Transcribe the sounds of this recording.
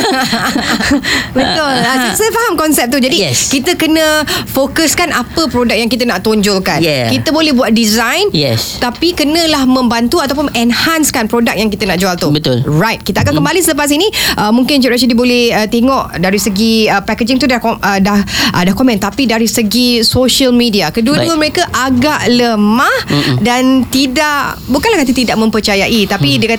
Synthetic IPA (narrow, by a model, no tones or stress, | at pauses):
bət̪ʊləsisəfaɦamkɔnsɛp̚t̪ud͡ʒadiɛskit̪əkənəfokəskanʔapəpɾodak̚jaŋkit̪ənaʔt̪oɲd͡ʒɔlkanjkit̪əbolɛhbuat̪̚dizãjnjɛst̪apikənə̃lahmə̃mbant̪uat̪awp̬ʊnɛnhanskanpɾodak̚jaŋkit̪ənaʔd͡ʒualt̪ubət̪ʊ̰lrajt̪̚kit̪əakankəmbalisələp̬as̬iniʔəmuŋkɪnd͡ʒɛʔɾas̬ədibolɛhət̪eŋɔʔdaɾisəɡiəpɛked͡ʒɪŋt̪udaədahʔədahkomɛ̃nt̪apidaɾisəɡisoʃəlmidiakəduəduəməɾekaʔaɡaʔləmãhdant̪idaʔbukanlahkat̪̬it̪idaʔ̚mə̃mpərt͡ʃajaʔit̪apidəka